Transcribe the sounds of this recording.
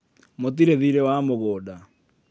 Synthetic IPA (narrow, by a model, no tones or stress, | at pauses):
mot̬iɾeðiɾɛwamoɣoːda